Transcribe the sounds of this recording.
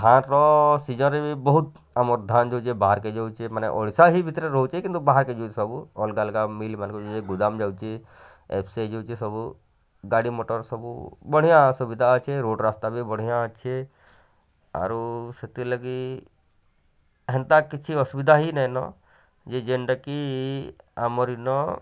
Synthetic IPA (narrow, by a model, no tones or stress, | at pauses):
kʰãɾɔsid͡ʒɔnɾebʱibɔɦut̪ | amɔɾd̪ʱand͡ʒowt͡ʃʰebaɦaɾked͡ʒowt͡ʃʰemanḛʔɔ̰ɽsaɦibʱit̪ɾeɾɔɦut͡ʃkĩnt̪ubaɦaɾked͡ʒot͡ʃesɔbuɔlɡalkamilmankɔd͡ʒod͡ʒeɡud̪amd͡ʒawt͡ʃʰe | ḛpʰsed͡ʒowt͡ʃʰesɔbu | ɡaɽimoʈɔɾsɔbṵbəɽ̤ijãsubid̪ʱaət͡ʃʰeɾoɖɾaːst̪abʱibəɽ̤ijãət͡ʃʰe | a̰ɾuset̪iləɡi | ɦɛnt̪akit͡ʃʰiɔsubid̪ʱaɦinɛjnɔ̰ | d͡ʒed͡ʒeɳɖaki | a̰mɔɾinɔ